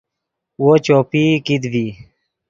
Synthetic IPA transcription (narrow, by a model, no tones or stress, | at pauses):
wot͡ɕoːpiːkid̪viː